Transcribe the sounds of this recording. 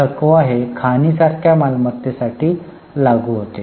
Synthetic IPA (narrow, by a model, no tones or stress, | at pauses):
əkoaɦekʰaniːsaɾkʰjamalmət̪ːesaʈiː | laɡuːɦot̪e